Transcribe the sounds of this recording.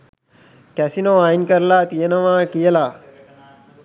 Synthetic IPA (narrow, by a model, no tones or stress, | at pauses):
kɛsinõːaːjnkəɾlaːt̪ijənəʋãːkijəlaː